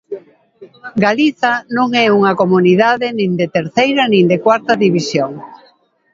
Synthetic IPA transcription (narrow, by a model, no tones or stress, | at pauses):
ɡaliθanõŋɛuŋɐkomuniðaðɪnĩnd̪et̪eɾθejɾɐnĩŋd̪ekwaɾt̪ɐðiβisjoŋ